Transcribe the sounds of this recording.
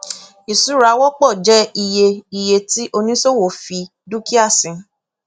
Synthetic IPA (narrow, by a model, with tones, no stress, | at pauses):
i˨su˨˦ɾa˧˦wɔ˦k͡pɔ˦˨d͡ʒɛ˦i˧je˧i˧je˧ti˦ʔo˧nĩ˦so˦˨wo˨fi˧ | du˦ki˦a˦˨sĩ˨˧